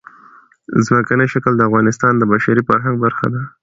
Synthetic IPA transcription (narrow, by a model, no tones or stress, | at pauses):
zməkanəʃakəld̪əafɣɑnɪst̪ɑnd̪əbaʃaɾifaɾɦaŋɡbaɾxa̰d̪a